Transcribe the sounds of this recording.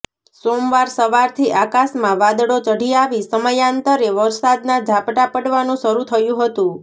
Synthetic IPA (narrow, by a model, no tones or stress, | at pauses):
somʋaɾsəʋaɾt̪ʰiʔakasmãʋad̪ɽot͡ʃəɽiaʋisəməjant̪əɾeʋəɾsad̪nad͡ʒʱapʈapəɽʋanũsəɾut̪ʰəjũɦət̪ũ